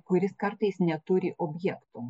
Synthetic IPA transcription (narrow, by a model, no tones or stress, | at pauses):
kʊɾʲɪskɐɾt̪ɐjsnʲɛt̪ʊɾʲiʔɔbʲjɛkt̪ʊ